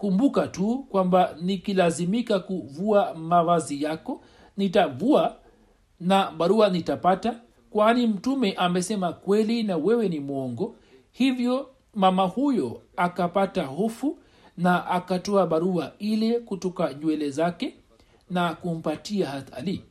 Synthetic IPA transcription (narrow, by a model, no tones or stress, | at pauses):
kumbukatukwambanikilazimikakuvuamavazijakɔ | nitavua | naɓaɾuanitapata | kwanim̩tumɛʔamɛsɛmakwɛlinawɛwɛnimwɔŋɡɔ | hivjɔ | mamahujɔakapatahɔfu | naʔakatɔaɓaɾuailɛkutɔkaɲwɛlɛzakɛ | nakum̩patiahaθa̰li